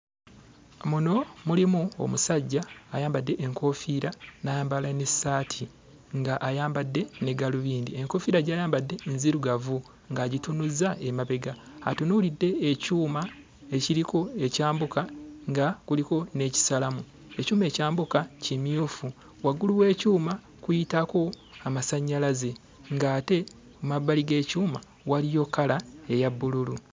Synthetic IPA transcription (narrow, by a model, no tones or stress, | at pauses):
muno̞mulimuo̰musaɟːaːjaːmbadːe̞ʔeŋkʰo̞fiːɾanajaːmbalanesaːtʰi | ŋɡaʔːjaːmbadːe̞neɡaluβiːndie̞ŋko̞fiɾaɟaːjaːmbadːe̞nziɾuɡavu | ŋɡaɟitunuzaemaβe̞ɡa̰ː | tunuːlidːe̞ːcuːma | e̞ciɾiko̞e̞caːmbukaŋɡakuliko̞ne̞ci̥salamu | e̞cuːme̞ːcaːmbukacimiofu | waɡuluwe̞ːcuːma | kujitako̞ | amasaɲːalaze̞ | ŋɡaːte̞ | umabaliɡe̞ːcuːma | walijo̞kːalae̞jabːululu